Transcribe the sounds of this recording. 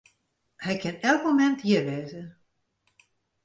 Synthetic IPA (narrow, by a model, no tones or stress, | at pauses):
hɛjkʰɪnɛlˠkmomɛnthiərʋeːzə